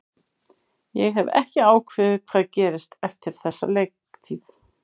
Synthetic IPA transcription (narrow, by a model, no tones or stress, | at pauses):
jɛɣɦɛvɛ̰hcɪaːwkʰvɪðɪkʰv̥aːðcɛːɾɪst̪ɛft̪ɪɾ̥θɛsːa̰leːjkt̪ʰiːð